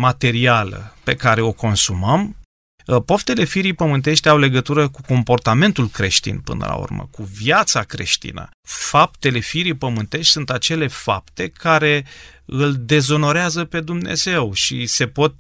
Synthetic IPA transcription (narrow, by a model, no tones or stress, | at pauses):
mat̪e̞ɾialə̰pe̞kaɾe̞o̞ko̞nsuməm | po̞ft̪e̞le̞fiɾipəmɨnt̪e̞ʃt̪ʲawle̞ɡət̪uɾəkuko̞mpo̞rt̪ame̞nt̪ulkɾe̞̰ʃt̪ḭnpɨ̰nə̰la̰ṵrmə̰kuviat̪sakɾe̞̰ʃt̪ḭnə̰ | fap̚t̪e̞le̞fiɾipəmɨnt̪e̞ʃt̪ʲsunt̪at͡ʃe̞le̞fa̰p̚t̪e̞kʰaɾe̞ɨld̪e̞zo̞no̞ɾeazəpe̞d̪umne̞̰ze̞wʃḭse̞po̞t̪̚